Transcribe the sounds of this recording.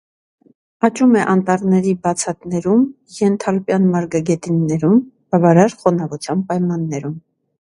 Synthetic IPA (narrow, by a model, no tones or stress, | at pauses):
ɑt͡ʃumɛʔɑnt̪ɑɾnɛɾibɑt͡sʰɑt̪nɛɾum | jɛnt̪ʰɑlpjɑnmɑɾɡɑɡɛt̪inːɛɾum | b̥ɑvɑɾɑɾχɔnɑvut͡sʰjɑnpɑjmɑnːɛɾum